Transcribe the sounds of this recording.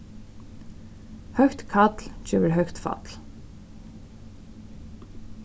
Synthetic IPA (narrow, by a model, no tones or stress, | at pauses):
hœçt̪kʰat̪lt͡ɕʰœːvɪɹɦœɥxt̪fa̰t̪l̥